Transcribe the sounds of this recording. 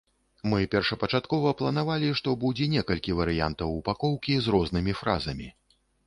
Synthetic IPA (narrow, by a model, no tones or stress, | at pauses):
mɨpʲɛrʂɐpɐt͡ʂat̪kɔvɐplˠɐnavalʲiʂt̪ɔbud͡zʲɛnʲɛkɐlʲkʲivɐɾɨja̰nt̪ɐwupakɔwkʲizɾɔznɨmʲifɾa̰zɐmʲi